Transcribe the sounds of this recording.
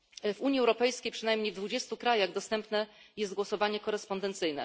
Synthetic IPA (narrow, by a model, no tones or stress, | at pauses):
vuɲjiɛwɾɔpɛjskʲejpʂɘnajmɲejvd̪vud͡ʑɛst̪ukɾajaɣd̪ɔst̪ɛmpnɛjɛst̪ɡwɔsɔvaɲɛkɔɾɛspɔnd̪ɛnt̪sɘjnɛ̰